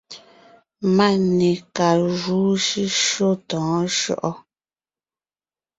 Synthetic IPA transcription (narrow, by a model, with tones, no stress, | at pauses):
ma˦ni˨ka˨ʒuː˨˦ʃi˦ʃo˦tɔ̃ː˨˦ʃɔ̰˦ʔɔ˦